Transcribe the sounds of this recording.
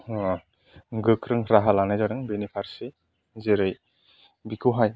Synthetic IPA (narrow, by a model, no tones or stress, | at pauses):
ɡɯkʰɾɯŋɾaɦalanajzaɾɯŋbenipʰaɾse | zeɾɯj | bikʰɯwɦaj